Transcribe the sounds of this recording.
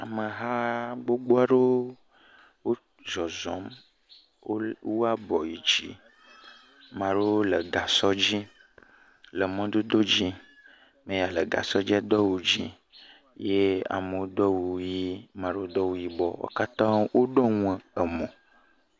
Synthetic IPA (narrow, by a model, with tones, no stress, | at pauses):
a˨mə˨ɦa˦ɡ͡bo˦ɡ͡bo˦a˦ɖe˦ | wo˦ | zɔ˨zɔ̃˨˦m˦ | wo˦a˦bɔ˨ji˨d͡ʒi˦ | mã˨ɖe˦wo˦lə˨ɡa˨sɔ˦d͡ʑi˦ | lə˨mɔ̃˨d̪o˦d̪o˦d͡ʑi˦ | mẽ˨ja˨lə˨ɡa̰˨sɔ˦d͡ʑi˦a˦d̪ɔ˦wu˨d͡ʑi˦ | je˦a̰˨mə˨wo˦d̪ɔ˦wu˨ji˦mã˨ɖe˦wo˦d̪ɔ˦wu˦ji˦bɔ̰˦wo̰˦ka˦t̪ã˦ŋwʔo˦ɖɔ˦ŋũ˦ə˨ə˨mɔ̃˨